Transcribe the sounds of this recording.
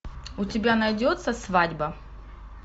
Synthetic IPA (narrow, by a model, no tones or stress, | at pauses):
ʊtʲɪbʲanɐjdʲot̪səsvadʲbɐ